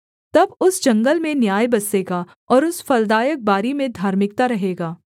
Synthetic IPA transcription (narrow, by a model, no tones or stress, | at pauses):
t̪ɐbʊsd͡ʒɐ̃ŋɡəlmẽnjaːjbɐseːɡaː | ɔːɾʊsfɐld̪aːjək̚baːɾimẽd̪ʱaːɾmɪkt̪aɾɐɦeːɡaː